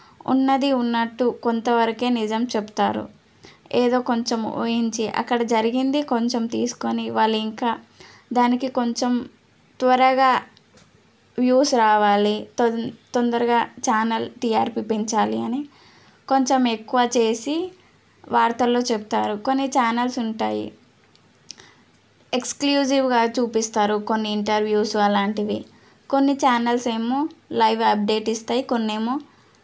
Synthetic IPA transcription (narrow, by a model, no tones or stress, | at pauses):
ṵnːɐd̪iunːɐʈːuko̞nt̪ɐʋɐɾɐke̞ːnid͡ʒɐmt͡ʃe̞bu̥t̪a̰ːɾṵ | eːd̪o̞ːko̞ɲt͡ʃemo̰ːjiɲt͡ʃiʔɐ̰kːɐɽɐd͡ʒɐɾiɡind̪iko̞ɲt͡ʃe̞mt̪ḭːsu̥ko̞niʋaːɭːuiŋkaː | d̪aːnikiko̞ɲt͡ʃem | t̪ʋɐɾɐɡaː | ʋjuːsɾaːʋaːli | t̪ond̪ɐɾuɡaːt͡ʃaːnɐlʈijaːɾpiːpeɲt͡ʃaːliɐni | ko̞ɲt͡ʃeme̞kːuʋaːt͡ʃe̞ːsi | ʋaːɾt̪ɐlːo̞ːt͡ʃepu̥t̪aːɾuko̞nːit͡ʃaːnɐlsuɳʈaːjḭ | ekskljuːsiʋɡaːt͡ʃuːpist̪aːɾuko̞nːiːɳʈɐɾʋjuːsuɐlaːɳʈiʋi | ko̞nːit͡ʃaːnɐlseːmolɐjʋɐp̚ɖe̞ːʈist̪aːjiko̞nːeːmoː